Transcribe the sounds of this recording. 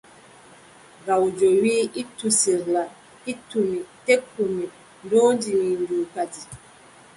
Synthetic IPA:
ɡawd͡ʒowiːitːusiɾla | itːumitekːumi | ndɔːndiminduːkati

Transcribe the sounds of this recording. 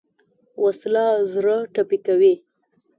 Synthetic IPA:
wʔaslɑzɾəʈapikawi

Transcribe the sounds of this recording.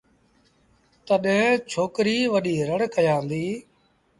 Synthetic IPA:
t̪əɗẽt͡ʃʰoːkɾiːʋəɗiːɾəɽkəjãːnd̪iː

